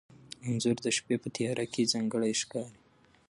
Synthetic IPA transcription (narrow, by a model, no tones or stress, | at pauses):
ʊnzʊɾd̪əʃpepət̪ijɑɾʔakezɑŋɡəɽajʃkɑɾi